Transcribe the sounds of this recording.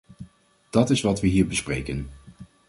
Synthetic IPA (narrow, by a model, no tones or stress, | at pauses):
d̥ɑtɪsʋɑtʋəɦiːɹbəsprḛjkən